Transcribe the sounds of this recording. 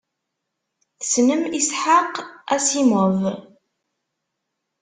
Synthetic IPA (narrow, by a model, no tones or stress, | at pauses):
θə̥snəmisħaqæsiməv